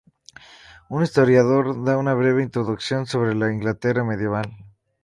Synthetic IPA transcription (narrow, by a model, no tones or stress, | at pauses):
unist̪o̞ɾjaðo̞ɾðaunaβ̞ɾe̞βe̞int̪ɾo̞ðuksjo̞nso̞β̞ɾe̞laiŋɡlat̪e̞rame̞ðje̞βal